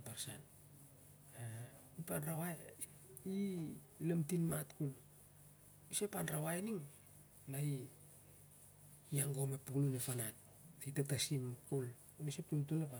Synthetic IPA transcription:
paɾsan | a | ipanrawae | i | lemtinmatkul | isepanrawaeniŋ | nai | aŋɡo̞mepuklunefanat | aitatasimkul | isep̚tuntulepa

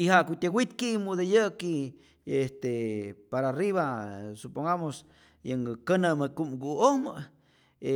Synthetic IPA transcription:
ihaʔkut̪ʲeɡʷwit̪kiʔmud̪ejəki | est̪epaɾariβasupoŋɡamos | jəŋɡəkənəməkumɡuohmə | e

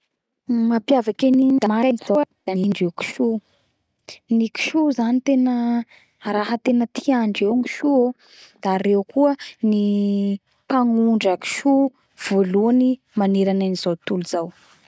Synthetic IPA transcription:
mapjavakeniɲd̪amaanizowd̪̥aiɳɖ͡ʐewki̥ʃu | niki̥ʃuzanit̪enə | ɾaɦət̪enət̪ʰiaɳɖ͡ʐewŋi̥ʃuo | d̪̥aɾewkuəni | paŋuɳɖ͡ʐaki̥ʃu | v̥oluani | maniɾananiz̥awt̪uluzaw

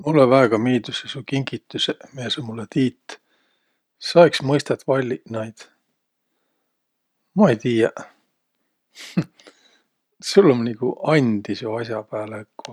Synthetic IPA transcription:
mulːevæːɡ̥ɑmiːd̪̥usesukiŋɡ̥it̪ːˑusemeesomulːet̪iːt̪ː | sɑeksmɤjst̪ɑt̪ːvɑlʲːinɑjd̪̥ | mɑejt̪iːjɑ | sulːomnikuʔɑnʲd̪̥isjoɑsʲjɑpæːlekːo

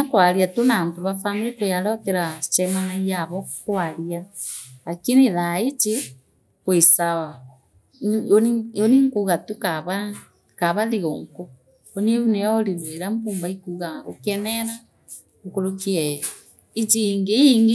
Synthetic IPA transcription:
akwaɾiatonaːntoβafanɾekojaɾɔteɾat͡ʃɛmanajaβɔkwaɾialakiniðaet͡ʃe | kwesawa | onioniŋkuɣatukaβa | kaβaðiɣoŋko | onieβuneɔɾiβweɾambuːmbaikuɣao̰kɛnɛɾa | okoɾokiɛ | it͡ʃiŋɡeiŋɡe

